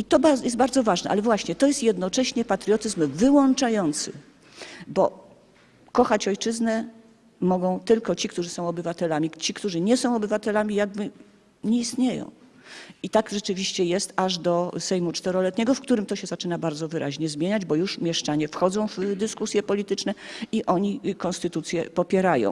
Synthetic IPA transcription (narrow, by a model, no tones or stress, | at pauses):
it̪ɔbajɛst̪baɾd̪zɔvaʐnɛʔa̰lɛvwaɕɲɛt̪ɔjɛst̪jɛd̪nɔt͡ʂɛɕɲɛpat̪ɾʲjɔt̪ɘzmvɘwɔnt͡ʂajɔnt̪sɘ̰ | bɔ | kɔxat͡ɕɔjt͡ʂɘznɛ | mɔɡɔ̃w̃t̪ɘlkɔt͡ɕikt̪uʐɘsɔ̃w̃ɔbɘvat̪ɛlamʲit͡ɕikt̪uʐɘɲɛsɔ̃w̃ɔbɘvat̪ɛlamʲijaɡ̚bɘ | ɲɛist̪ɲejɔ̰̃w̃ | it̪aɡʐɛt͡ʂɘvʲiɕt͡ɕɛjɛst̪aʐd̪ɔsɛjmut͡ʂt̪ɛɾɔlɛt̪ɲɛɡɔfkt̪uɾɘmt̪ɔɕɛzat͡ʂɘnabaɾd̪zɔvɘɾʔaʑɲɛzmʲjeɲad͡ʑbɔjuʂmʲjɛʂt͡ʂaɲɛfxɔd̪zɔ̃w̃vd̪ɘskusʲjɛpɔlʲit̪ɘt͡ʂnɛiʔɔɲikɔ̃nst̪ɘt̪ut̪sʲjɛpɔpʲjɛɾajɔ̰̃w̃